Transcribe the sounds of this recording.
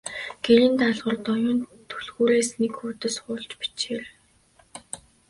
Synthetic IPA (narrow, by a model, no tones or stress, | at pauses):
ɡ̥eɾiːnt̪aɮʁə̆rt̪ɔjʊːnt̪ʰɵɮɣuːɾeːsnekxuːt̪ɘ̆sχʊːɮt͡ɕpi̥t͡ɕeːr